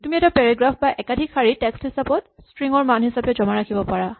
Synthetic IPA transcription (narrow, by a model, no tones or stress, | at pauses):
tumiɛtɔpɛɹaɡɹafʰbaʔɛkadʱikʰːaɹitɛksthisapɔt̚stɹiŋɔɹmanuɦisapɛd͡ʒɔmaɹakʰibɔpaɹa